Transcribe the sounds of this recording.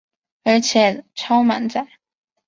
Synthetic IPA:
ə˞˧˥t͡ɕʰjɛ˨˩˦ʈ͡ʂʰɑ˥ʊma̰˧˥nt͡sa˥˨˩ɪ

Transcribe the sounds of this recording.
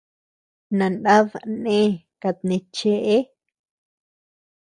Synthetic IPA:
nã˨na˦ðnẽ˦ | ka˨˧t̪̚nẽ˧t͡ʃe˦ʔe˦

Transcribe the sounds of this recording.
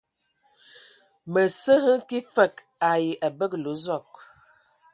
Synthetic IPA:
mə˨sə˦ɦə˦ki˦fə˦˨k | a˨ji˨ʔa˨bə˦klo˨˦zɔ˦˨k̚

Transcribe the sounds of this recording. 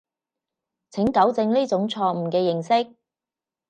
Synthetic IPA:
t͡sʰɪ˨˥ŋkɐ˨˥wt͡sɪ˧ŋliː˥t͡sʊ˨˥ŋt͡sʰɔː˧m̩˨˩kɛː˧jɪ˨˩ŋsɪ˥k̚

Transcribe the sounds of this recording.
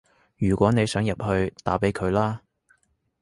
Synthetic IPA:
jyː˨˩kʷwʷɔː˨˥ne˨˧jsœː˨˥ŋjɐ˨p̚hɵ˧ɥt̪aː˨˥pe˨˥jkʰɵ˨˧ɥlaː˥

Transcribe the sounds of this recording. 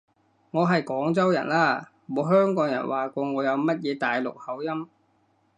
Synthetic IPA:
ŋɔː˨˧ɦɐ˨jkɔː˨˥ŋt͡sɐ˥wjɐ̰˨˩nlaː˥˩ | mɔ˨˧ɦœː˥ŋkɔː˨˥ŋjɐ̰˨˩nwaː˨kʷɔː˧ŋɔː˨˧jɐ˨˧wmɐ˥t̚jɛː˨˧t̪aː˨jlʊ˨k̚hɐ˨˥wjɐ˥m

